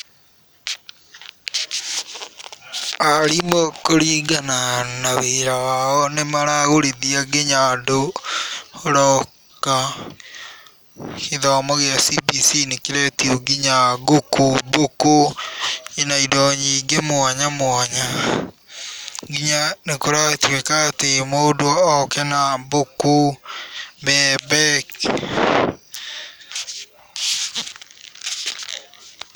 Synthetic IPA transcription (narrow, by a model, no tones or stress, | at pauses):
aɾimokoɾiːɡananaweɾawaɔnemaɾaɣoɾiðiaɡeɲado | oɾɔ | ka | heðɔmɔɣeasibisinekeɾɛtioɡiɲaɡokuboku | enaidɔɲiɡemʊaɲamwaɲa | ɡiɲanekoɾatukekatemodwɔɔkɛnaboku | bɛbɛk